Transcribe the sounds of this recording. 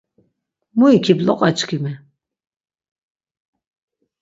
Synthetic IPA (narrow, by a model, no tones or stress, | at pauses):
muikʰiblɔ̰qʼat͡ʃʰʼkʰimɛ